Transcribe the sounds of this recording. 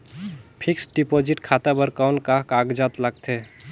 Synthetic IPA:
pʰiksɖipod͡ʒiʈkʰat̪abəɾkawnkakaɡd͡ʒat̪ləɡ̚t̪ʰe

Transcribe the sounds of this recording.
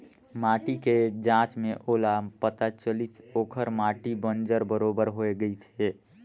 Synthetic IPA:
maːʈiked͡ʒãːt͡ʃmẽʔoːlapət̪at͡ʃəlit̪oːkʰəɾmaːʈibə̃nd͡ʒəɾbəɾoːbəɾɦoeɡəit̪ʰeː

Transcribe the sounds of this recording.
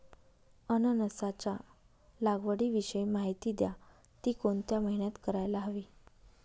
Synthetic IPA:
ənənəsat͡ɕa | laɡʋəɽiːʋiɕəjmaɦit̪iːd̪ja | t̪iːkoɳt̪jaməɦiɳjat̪kəɾajlaɦəʋiː

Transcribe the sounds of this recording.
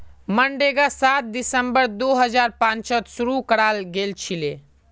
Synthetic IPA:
məɳɖeɡasat̪̚d̪isəmbəɾd̪oɦəd͡ʒaɾpãnt͡ʃət̪suɾukəɽalɡelt͡ʃʰile

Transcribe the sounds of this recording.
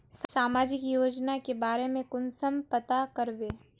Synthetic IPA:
ssaːmaːd͡ʒɪkjoːd͡ʒnakebaːɾemẽkʊnsəmpɐt̪akəɾʋeː

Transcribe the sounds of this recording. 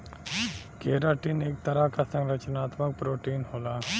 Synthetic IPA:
keːɾaʈiːneːk̚t̪ɐɾakasɐ̃ŋɡɾət͡ʃnaːt̪mək̚pɾoːʈiːnɦoːlaː

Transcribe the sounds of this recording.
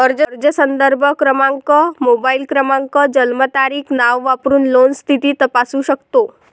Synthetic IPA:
əɾd͡ʒəəɾd͡ʒəsənd̪əɾbʱəkɾəmãŋkəmobailkɾəmãŋkəd͡ʑəlmət̪aɾiːkʰnaʋːapɾuːnlonst̪ʰit̪iːt̪əpasuɕəkt̪o

